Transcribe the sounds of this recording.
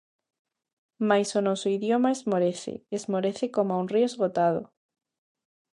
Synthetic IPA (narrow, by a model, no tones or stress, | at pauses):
majsonosoiðjomaezmoɾeθḛezmoɾeθekomoaunriozɣot̪að̞o̰